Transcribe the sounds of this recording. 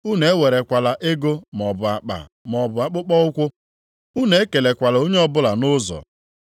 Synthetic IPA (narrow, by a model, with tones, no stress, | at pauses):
u˦ne˨˦we˨ɾe˨kʷa˨la˨ʔe˦ɡo˦mɔ˨ba˨k͡pa̰˨mɔ˨bʊ˨a˨k͡pʊ˦k͡pɔ˦ʊ˦kʷʊ˦ | u˦ne˨e˦ke˨le˨kʷa˨lo˦ɲe˦ɔ˦bʊ˦la˨nʊ˦zɔ̰˨